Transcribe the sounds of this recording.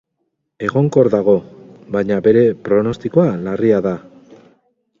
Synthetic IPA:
e̞ɣo̞ŋko̞ɾðaɣo̞βajɲabe̞ɾe̞pɾo̞no̞st̪iko̞alariaða

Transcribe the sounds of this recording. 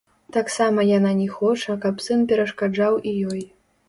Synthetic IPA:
t̪aksamɐjananʲɛxɔt͡ʂɐkɐpsɨnpʲɛɾɐʂkad͡ʐawijɔj

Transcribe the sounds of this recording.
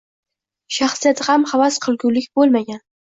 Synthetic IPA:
ʃaχsɨjat̪ʰhamhavasqʰɨlˠɡʲuwlɪkʲbolˠmaɡʲan

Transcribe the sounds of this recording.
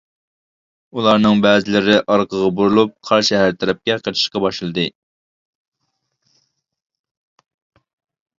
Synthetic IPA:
ulˠɑɾnɨŋbɛːzɪlɪɾɪʔɑɾqəʁɑbuɾulˠup̚qʰɑɾʃɛɦæɾt̪ʰɛɾɛp̚kʲɛqʰət͡ʃ̪ʰɨ̥ʃqɑbɑʃɨlˠɨd̪ɨ

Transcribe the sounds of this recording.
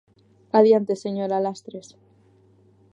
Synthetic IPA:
aðjant̪eseɲoɾalast̪ɾes

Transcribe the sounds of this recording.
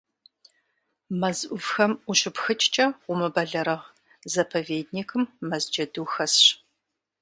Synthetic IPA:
mɐzʔʷʊvxɐmʊɕɪpxɨt͡ʃʰʼt͡ʃʼɐʊmɨbɐɮɐɾɐʁ | zɐpʰɐveːd̚niːkʰɨmːɐzd͡ʒɐduːxɐsɕ

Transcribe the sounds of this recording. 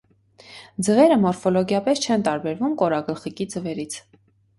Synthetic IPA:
d͡zəvɛɾəmɔɾfɔlɔɡjɑpɛst͡ʃʰɛnt̪ɑɾbɛɾvumkɔɾɑɡəlχikid͡zəvɛɾit͡sʰ

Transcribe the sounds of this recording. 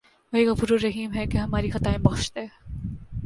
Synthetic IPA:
ʋɐɦiɣɐfuːɾoɾːɐɦiːmɦɛkeɦɐmaːɾixɐt̪aːẽbɐχʃt̪eː

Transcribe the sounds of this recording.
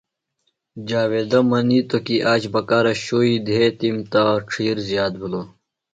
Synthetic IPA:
d͡ʑaːweːd̪ɐmɐnit̪okiʔaːt͡ɕbɐkaːɾɐɕoid̪ʱet̪imt̪aʈ͡ʂʰiːɾzjaːt̪̚bʱulo

